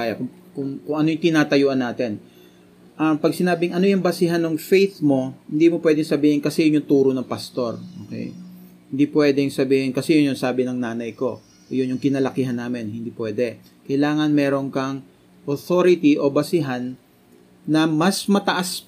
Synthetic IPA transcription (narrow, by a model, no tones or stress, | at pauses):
ajɐkʊ | kʊŋkʊŋʔɐnojʊŋt̪ɪnaːt̪ɐjuːʔɐnːaːt̪ɪn | ʔɐmpɐɡ̚sɪnaːbɪŋʔɐno̞jʊŋbɐsɪɦanːʊŋfejt̪mo̞hɪnd̪iːmopwɛd̪ɪŋsɐbiːhɪnkɐsɛjʊnjʊŋt̪uːɾonɐŋpɐst̪o̞ɾʔo̰ːkɛ̰j | hɪnd̪iːpwɛːd̪ɛŋsɐbiːhɪnkɐsɛjʊnjʊnsaːbɪnɐŋnaːnɐjko̞̰ | jʊnjʊŋkɪnɐlɐkiːɦɐnːaːmɪnhɪnd̪ipwɛːd̪ɛ | kɐjlaːŋɐnmɛːɾo̞nkɐŋ | ʔoθoɾɪt̪iʔo̞bɐsɪɦanː | ɐmɐsmɐt̪ɐʔas